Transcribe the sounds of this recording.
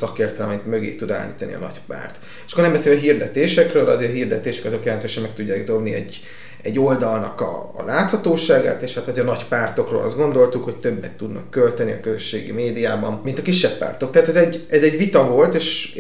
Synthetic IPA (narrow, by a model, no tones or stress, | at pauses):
sɒkeːrt̪ɛlmɛt̪mø̞ɡḛːt̪ud̪a̰ːlːḭːt̪ɒnḭɒ̰nɒ̰cpa̰ːrt̪ | ʃkornɛmbɛseːlɦird̪ɛt̪eːʃɛkrøːlɒzeːɾɦird̪ɛt̪eːʃɛ̥kɒzo̞kjɛlɛnt̪øːʃɛmɛk̚t̪uɟːaːɡ̚d̪o̞bniɛ̰ɟː | ɛ̰ɟːo̞ld̪ɒlnɒkɒ̰ːlaːt̪hɒt̪oːʃaːɡa̰ːt̪eːʃhat̪ɒzeːɾnɒcpaːrt̪o̞kro̰ːlʔɒ̰zd̪ɡo̞nd̪o̞lt̪ukho̞c̚t̪øbːɛt̪ːud̪nɒ̰kːølt̪ɛniɒkøzøʃːeːɡḭmeːd̪ijaːbɒmmint̪ɒkiʃːɛpːa̰ːrt̪o̞kt̪ɛɦaːt̪ɛzɛɟɛzɛɟvit̪ɒvo̞lt̪eːʃ